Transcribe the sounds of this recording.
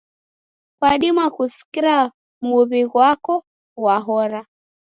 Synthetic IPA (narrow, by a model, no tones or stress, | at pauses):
kwaɗimwakusi̥kiɾa | muβiɣwakɔ | waɦɔɾa